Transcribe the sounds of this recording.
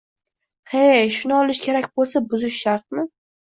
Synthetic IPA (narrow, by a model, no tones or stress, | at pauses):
heʃʊnɪɒlɪʃkʲʰe̞ɾakʲbolˠsabʊzɪʃːaɾt̪̚mɪ